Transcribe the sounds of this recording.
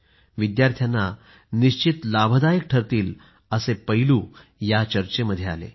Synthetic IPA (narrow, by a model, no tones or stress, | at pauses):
ʋid̪jaɾt̪ʰjanːa | niɕt͡ɕit̪labʱəd̪ajik̚ʈʰəɾt̪iːl | əsepəjluː | jat͡ɕəɾt͡ɕeməd̪ʱːjea̰lḛ